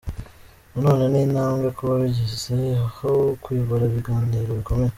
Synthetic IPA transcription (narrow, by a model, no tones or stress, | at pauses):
unoːnaniːnaːŋɡakoβaβiɟizehahokujoβoɾaβiɡaːniːɾoβiko̞me̞je